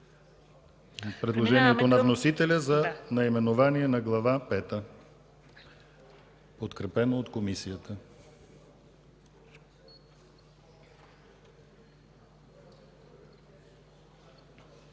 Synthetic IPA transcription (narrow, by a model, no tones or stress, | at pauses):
pɾɛd̪lˠoʒɛniɛt̪onɐvnosit̪ɛlʲəzɐnɐimɛnovaniɛnɐɡlˠɐvapɛt̪ə | pot̪kɾɛpɛnoːt̪komisijət̪ə